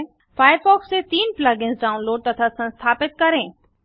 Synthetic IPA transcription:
faːjəɾfɔːksːet̪iːnplaːɡɪnsɖaːʊ̃nloːɖ̚t̪ɐt̪ʰasɐ̃nst̪ʰaːpɪt̪̚kɐɾẽː

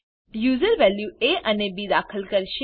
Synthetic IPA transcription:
juːzəɾʋɛljueʔənebiːd̪aːkʰəlkəɾʃe

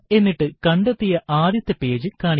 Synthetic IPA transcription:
e̞nːiʈːɨkɐɳɖɐt̪ːijɐʔaːd̪jɐt̪ːɐpːe̞ːd͡ʑɨkaːɳ

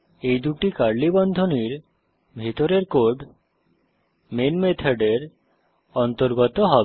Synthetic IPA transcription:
ejd̪uʈikaɾlibɔnd̪ʱoniɾ | bʱit̪oɾeɾkoɾɖ | menmet̪ʰaɖeɾ | ɔnt̪oɾɡɔt̪oɦɔbe

